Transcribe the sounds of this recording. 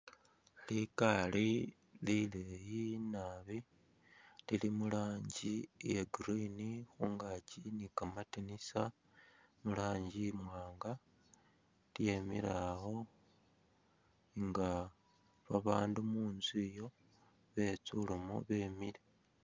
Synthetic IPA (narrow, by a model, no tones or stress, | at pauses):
likali | lilejinaβi | lilimulaːɲɟijeɡuɾinixuːŋɡacinikamatinisa | mulaːɲɟimwaːŋɡa | lje̞mḭɾaho̞ | ŋɡa | βaβaːndumuːnzijo̞ | βe̞t͡sulumo̰βe̞mile